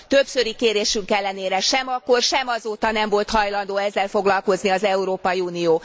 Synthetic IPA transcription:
t̪øbsø̞ɾikeːɾeːʃyŋkɛlːɛneːɾɛʃɛmɒkːo̞rʃɛmɒzoːt̪ɒnɛɱvo̞lt̪hɒjlɒnd̪oːɛzːɛlfo̞ɡlɒlko̞zniɒzɛuɾoːpɒjiuːnioː

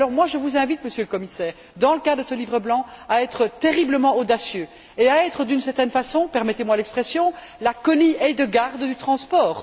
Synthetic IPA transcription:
alɔʁmwaʒəvuzɛ̃vit̪məsjøləkɔmisɛːʁ | d̪ɑ̃ləkad̪əsəlivʁəblɑ̃aɛt̪χət̪eʁibləmɑ̃od̪asjø | eaɛt̪χəd̪ynsɛʁt̪ɛnfasɔ̃pɛʁmɛt̪emwalɛkspχɛsjɔ̃lakɔniɛd̪əɡaʁd̪d̪yt̪χɑ̃spɔːʁ

